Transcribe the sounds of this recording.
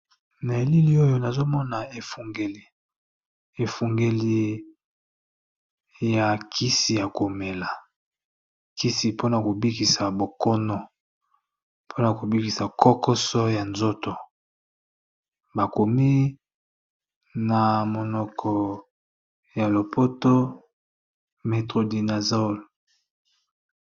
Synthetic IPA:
na˨e˨li˦li˦o˦jo˦na˨zo˦mɔ˦na˨e˨fu˨ŋɡe˨li˨ | e˨fu˨ŋɡe˨li˦ | ja˨kʰi˦si˨ja˨ko˨me˨la˨ | ki˦si˨po˦na˨ko˨bi˦ki˨sa˨bo˨kɔ˦nɔ˨ | pʰo˦na˨ko˨bi˦ki˨sa˨kɔ˦kɔ˦sɔ˦ja˨nzo˦to˨ | ba˨ko˨mi˦ | na˨mo˨nɔ˨kʰɔ˨ | ja˨lo˨pʰo˦to˦ | me˨tʁo˨di˨na˨zo˦l

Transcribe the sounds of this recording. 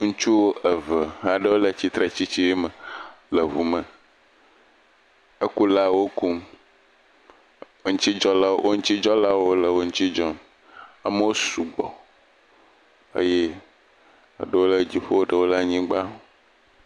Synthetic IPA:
ŋũ˦t͡ʃu˦wo˦ʔə˨və˨ɦã˨ɖə˦wo˦lə˨t͡ɕi˦t̪ɾe˨t͡ɕi˦t͡ɕi˦i˦mə˨lə˨ɦu˨mə˨ | ə˦ku˦la˦wo˦ku˦m | o˦ŋũ˦t͡ɕi˦d͡ʒɔ˦la˦wʔo˦ŋ̩̃˦t͡ɕi˦d͡ʒɔ˦la˦wo˦lə˨wo˦ŋũ˦t͡ɕi˦d͡ʒɔ˦n | a˨mə˦wo˦su˨ɡ͡bɔ̰˨ | ḛ˦je˦˨ | ɖə˦wo˦lə˦d͡ʑi˨ɸo˦o˦ɖə˦wo˦la˦ɲĩ˦ɡ͡ba˦o˦

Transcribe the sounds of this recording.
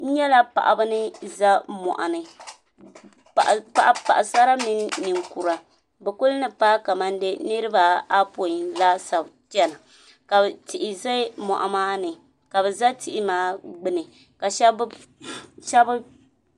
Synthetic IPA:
n̩˦ɲɛ˦la˦pa̰˨ʔa˨bɨ˦nɨ˦za˦mɔ̰˨ʔa̰˨nɨ˨ | pa˨ʔpa˨ʔa˨pa̰˨ʔa˨sa˦ɾa˦mi˦n˦nɨ˨ŋku˨ɾa˨ | bɛ˨ku˦lnɨ˦paː˦ka˨ma˦nde˦nɨ˦ɾɨ˦ba˦a˦po˨i˨la˦sa˨bt͡ʃɛ˦na˨ | ka˨ti˨ʔɪ˨za˦mɔ̰˨ʔa̰˨maː˦nɨ˨ | ka˨bɛ˨za˦tʰi˨ʔɪ˦maː˦ɡ͡bɨ˦nɨ˨ | ka˨ʃɛ˦b | ʃɛ˦bɨ˦

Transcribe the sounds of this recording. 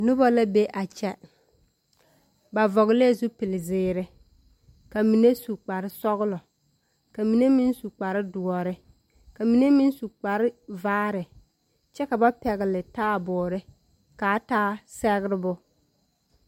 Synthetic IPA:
nʊ˦bɔ˦la˦be˦ʔa˨t͡ʃɛ˦ | ba˨vɔ˨ɣɪ˦le˦˨zu˦pɪ˨lɪ˨zɪː˨˦ɾɪ˦ | ka˨mi˨ne˦su˨k͡pa˨ɾɪ˦sɔ˦ɣlɔ˨ | ka˨mi˨ne˦mi˦nsu˨k͡pa˨ɾɪ˦dʊ˨ɔ˨ɾɪ˦ | ka˨mi˨ne˦mi˦n˦su˨k͡pa˨ɾɪ˦vaː˦ɾɪ˨ | t͡ʃɛ˦ka˨ba˦pɛ˨ɣɪ˨lɪ˨taː˦bʊː˨ɾɪ˦ | kaː˨˦taː˦sɛ˦ɣɪ˦ɾɪ˦bʊ˦

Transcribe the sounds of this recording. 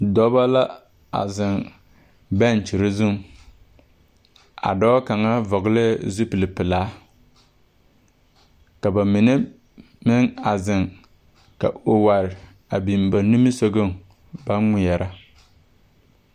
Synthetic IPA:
dɔ˦ba˦la˦ | a̰˨zɪ˨ŋ | ba˦˨n˨t͡ʃi˨ɾɪ˦zʊ˦ŋ | a̰˨dɔː˦ka˨ŋa˦vɔ˨ɡɪ˦le˦˨zu˦pɨ˨lɪ˨pɪ˨laː˨˦ | ka˨ba˨mɪ˨nɛ˦ | mɪ˦ŋa˨zɪ˨ŋ | ka̰˨o˨wa˨ɾɪ˨ | a˨bi˨mba˨nu˦mi˦so˦ɡo˦ŋ | ba˦nŋɪ˨jɛ˨ɾʔa˦

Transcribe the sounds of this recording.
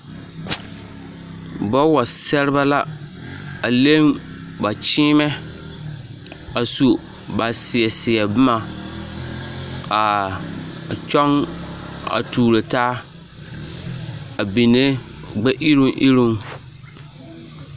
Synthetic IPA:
bɔ˦wa˨sɛ˦ɾɪ˦ba˦la˦ | a˨le˦ŋ | ba˨t͡ʃiː˦mɛ˦ | a˨su˨ | ba˨sɪ˨ɛ˨sɪ˨ɛ˨bma˨ | a˨ | t͡ʃɔ˦ŋ | a̰˨tuː˨ɾo˨taː˦ | a˨bi˨ne˦ | ɡ͡bɛ˦ʔɪ˦ɾu˦ŋʔḭ˦ɾu˦ŋ

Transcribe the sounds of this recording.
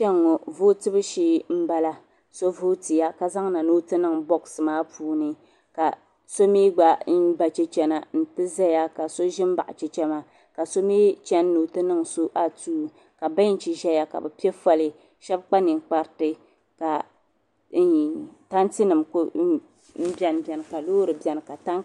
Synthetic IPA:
t͡ʃɛ˦ŋːɔ˨vo˦tɨ˦bɨ˦ʃiː˦m̩˦ba˦la˦ | so˦vo˦ti˨ja˦ka˦za˦ŋna˨noː˦tɨ˦nɨ˦˨ŋbɔ˦ksɨ˨maː˦puː˦nɨ˨ | ka˨ | so˦miː˦ɡ͡ba˦n̩˦ba˨t͡ʃɛ˦t͡ʃɛ˦na˨n̩˦˨tɨ˦za˦ja˦ka˨so˦ʒɪ˦m˦ba˨ʔa̰˨t͡ʃɛ˦t͡ʃɛ˦ma˦ | ka˨so˦miː˦t͡ʃɛ˦nː˦o˨tɨ˦nɨ˦ŋso˦ʔa˦tuː˦˨ | ka˨ba˦n˦t͡ʃi˨ʒɛ˦ja˦ka̰˨bɨ˨pi˦ɛ˦fa˦lɨ˨ | ʃɛ˦bk͡pa˦nɨ˨ŋ˨k͡pa˦ɾtɨ˦ | ka˨˦˨ | ta˦nti˦nɨ˨mk | m̩˦bɛ˨n˨bɛ˨nɨ˨ka˨loː˦ɾɨ˨bɛ˨nɨ˨ka˨ta˦n

